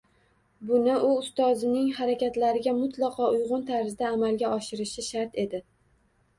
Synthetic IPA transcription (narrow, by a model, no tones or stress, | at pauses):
bʊnɪʔʊʊst̪ɒzɪnɪŋhaɾakʲʰat̪laɾɪɡʲamʊt̪ʰlˠɑqʰɒʊjʁʊnt̪ʰaɾzd̪aːmalɡʲaɒʃɪɾɪʃɪʃaɾt̪e̞d̪ɪ